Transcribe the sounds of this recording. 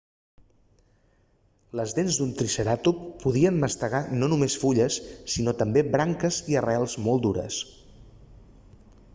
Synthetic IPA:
ləzðenzd̪unt̪ɾisəɾat̪uppuð̞iənməst̪əɣanonumesfuʎəsːinot̪əmbebɾaŋkəziərɛlˠzmolˠd̪uɾə̰s

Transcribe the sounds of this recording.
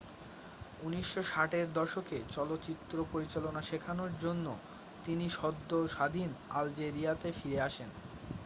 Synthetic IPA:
uniʃːoʃaʈeɾd̪ɔʃoket͡ɕɔlot̪ːt͡ɕit̪ːɾopoɾit͡ɕalonaʃekʰanoɾd͡ʑonːo | t̪iniʃɔd̪ʱːoʃad̪ʱina̰ld͡ʑeɾiat̪efiɾeaʃen

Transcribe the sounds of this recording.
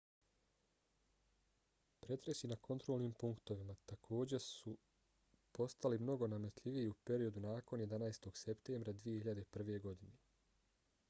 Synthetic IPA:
pɾe̞t̪ɾe̞sinakʰo̞nt̪ɾo̞ːlˠniːmpuŋkt̪o̞ʋimat̪akʰo̞ːd͡ʑe̞su | po̞st̪alimno̞ɡo̞name̞t̪lʎʲiʋijiupe̞ɾio̞d̪unaːko̞njed̪anaːst̪o̞ɡ̥se̞pt̪eːmbɾad̪ʋije̞hiʎad̪epr̩ʋe̞ɡo̞d̪ine

